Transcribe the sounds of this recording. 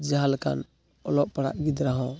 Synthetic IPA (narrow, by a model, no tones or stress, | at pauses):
d͡ʒaɦalka̰n | ɔlɔʔpaɽa̰ʔɡid̪ɾaɦɔ̃